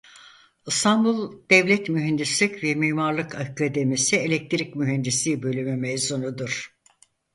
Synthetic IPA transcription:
ɯst̪ʰanbulˠd̪̥ɛvlʲɛt̪myɦɛnd̪islʲicvɛmiːmaɾlˠɯkʰakʰad̪emisielʲɛk̚t̪ʰɾicmyɦɛnd̪islʲiːbø̞lʲymymejzunud̪uɾ̥

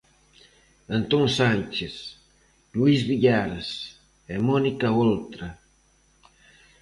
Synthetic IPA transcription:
ənt̪oŋsant͡ʃes | luizβiʎaɾɐs | ɛmonikɐolt̪ɾɐ

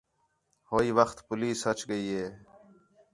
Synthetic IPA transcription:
hoːiːʋəxt̪pʊliːshət͡ʃɡəiːɦeː

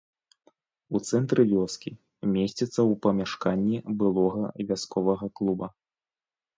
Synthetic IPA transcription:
ut̪sɛnt̪ɾɨvʲɔskʲi | mʲesʲt͡sʲit̪sːɐwpɐmʲaʂkanʲːibɨlˠɔɣɐvʲaskɔvɐɣɐklˠubɐ

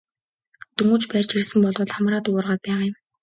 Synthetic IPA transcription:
t̪uŋuːt͡ɕpærʲt͡ɕirsɘ̆mpɔɮʁʊːɮχamraːt̪ʊʊrʁaːt̪̚pæːʁaːjə̆m

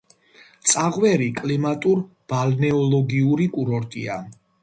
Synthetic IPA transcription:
t̪sʼaʁwɛɾikʼlimat̪ʼuɾ | b̥alnɛɔlˠɔɡiuɾikʼuɾɔɾt̪ʼḭa

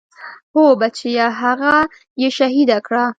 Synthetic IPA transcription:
hobat͡ʃijaɦaɣa | jeʃaɦid̪akɽa

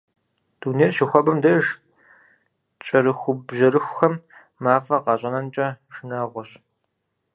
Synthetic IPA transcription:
d̥uːneːrʃɪxʷɔbɐmdɐʒ | t͡ʃʼɐɾɨxʷʊbʑɐɾɨxʷxɐmː | aːfɐqɑːɕʼɐnɐnt͡ʃʼɐʒnaːʁʷɔɕ

